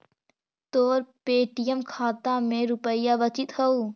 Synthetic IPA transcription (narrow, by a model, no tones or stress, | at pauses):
t̪oːɾpeːʈijəmkʰaːt̪amẽɾʊpəɪjaʋət͡ʃɪt̪ɦɐu